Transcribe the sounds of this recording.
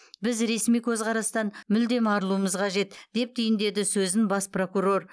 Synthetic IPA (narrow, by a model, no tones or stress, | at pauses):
bɪzɾe̞smijkʲʰɵzqʰɑɾɑst̪ɑnmʏld̪e̞mɑɾlˠuəməzqʰɑʒe̞t̪d̪̥e̞p̚t̪ʰʏjɪnd̪e̞d̪ɪsɵzɪnbɑspro̞kuɾo̞r